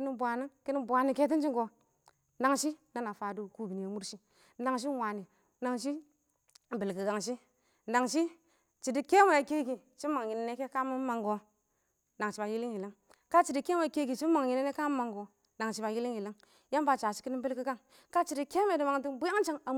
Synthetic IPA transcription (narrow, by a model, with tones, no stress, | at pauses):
ki˦ni˦bʷa˨ni˦ŋki˦ni˦bʷa˨ni˨ke˦t̬i˦t͡ʃi˦ŋɡo˨ | na˨ŋʃi˦na˦na˨fa˨du˦ku˦bi˨ni˨a˨mu˦ɾʃi˦ | na˨ŋʃ̬i˦wa˨ni˨ | na˨ŋʃ̬i˦˨ | bi˨lki˨ɡa˨ŋʃi˦ | na˨ŋʃi˦ | t͡ʃi˨di˦ke˦ma˨a˨ke˦ɡi˨ | t͡ʃi˦ma˨ŋji˨ne˨ne˦ke˦ka˦mi˦ma˨ŋɡo˨ | na˨ŋ˨ʃi˨ba˨ji˦li˦ŋji˨li˦ŋ | ka˦t͡ʃi˨di˦ke˦me˨ke˦ɡi˨t͡ʃi˦ma˨ŋ˨ji˨ne˦ne˦ka˦m˦ma˨ŋɡo˨ | na˨ŋʃi˦ba˨ji˦li˦ŋji˨li˦ŋ | ja˦mba˨t͡ʃa˨si˦ki˦ni˦mbi˦lki˦ɡa˦ŋ | ka˦t͡ʃi˨di˦ke˦m˦e˨di˨ma˨ŋti˦nbu˦ja˦ŋ˦t͡ʃa˦ŋa˨